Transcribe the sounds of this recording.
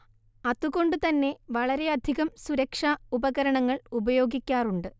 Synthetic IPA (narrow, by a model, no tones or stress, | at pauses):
ɐðuɣo̞ɳɖɨt̪ɐnːe̞ʋɐɭɐɾe̞ɐd̪ʱiɣɐmsuɾɐkʂaubɐɣɐɾɐɳɐŋːɐɭubɐjo̞ːɡikʲːaːruɳɖɨ